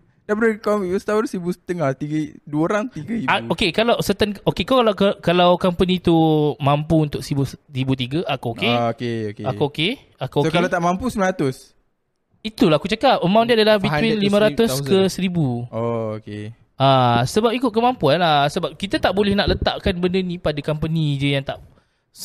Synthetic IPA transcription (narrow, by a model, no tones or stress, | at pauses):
dapɾəkɔiʔəst̪awəɾsɾibusə̥t̪əŋaht̪iɡəduəoɾaŋt̪iɡəiaokekalawsət̪ankokekakalawkəkalawkampənĩt̪umampuunt̪ʊk̚səibusɾibut̪̬iɡaʔakuoʔkeokeokeakuoke | akuosokallat̪aʔmãmpusəmlãɾat̪ʊs | it̪ulahkut͡ʃakap̚əmãwndiadalahbit̪winlimãɾat̪ʊskəsəɾibuooke | asəbap̚ikʊt̪̚kəmãmpuanasəbap̚kit̪at̪aʔbolɛhnaʔlət̪aʔkanbəndənĩpadakampənid͡ʒəjaŋt̪aʔ